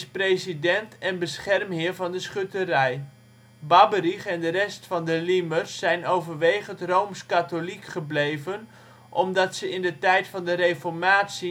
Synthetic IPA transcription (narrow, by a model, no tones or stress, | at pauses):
sprejzidɛntɛnbəsχɛrmɦɪːɹvɑndəsχøtərɛj | bɑbəriχɛndəɾɛstfɑndəlimərsːɛjnowvəɹʋejχəntrowmskatolikχəblejvən | ʔɔmdɑtsəɪndətɛjtfɑndərejfɔɹmaːtsi